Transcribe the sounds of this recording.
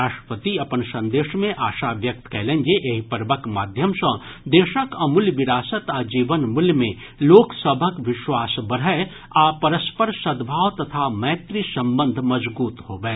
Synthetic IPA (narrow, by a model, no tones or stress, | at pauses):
aːʃʈəpət̪iɐpənsɐ̃nd̪eːʃmẽʔaːʃaʋjɐk̚t̪kɛːlẽnd͡ʒeʔeɦipəɾʋəkmaːd̪ʱjəmsə̃ | d̪eːʃəkɐmʊlʋɪɾaːsət̪ad͡ʒiːʋənmʊljmẽ | loːksəbʱəkʋɪʃwaːsbɐɾə | apɐɾəspəɾsɐd̪bʱaːʋt̪ɐt̪ʰamɛːt̪ɾisɐ̃mbə̃nd̪ʱmɐzbuːt̪hoːʋɛː